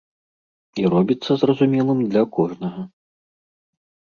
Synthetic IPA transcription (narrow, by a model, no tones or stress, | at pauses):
irɔbʲit̪sːɐzrɐzumʲɛlˠɨmd̪lʲɐkɔʐnɐɣɐ